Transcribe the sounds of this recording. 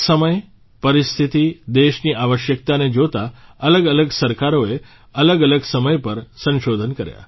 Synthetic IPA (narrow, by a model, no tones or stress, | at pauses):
səməj | pəɾist̪ʰit̪id̪eʃniʔaʋəʃjək̚t̪aned͡ʒot̪aələɡələɡsəɾkaɾoe | ələɡələɡsəməjpəɾsə̃nʃod̪ʱənkəɾja̰